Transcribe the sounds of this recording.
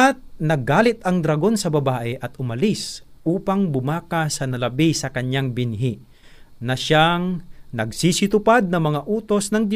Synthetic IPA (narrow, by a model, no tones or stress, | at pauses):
ɐt̪̚nɐɡːaːlɪt̪ɐŋd̪ɾɐɡo̞nsɐbɐbaːʔɛʔɐt̪ʊmɐlisʔuːpaŋbʊmaːkasɐnɐlɐbisɐkɐɲjaŋbɪnɦi | nɐʃaŋnɐɡsiːsɪt̪ʊpad̪̚nɐŋmɐŋaʔuːt̪o̞snɐŋd̪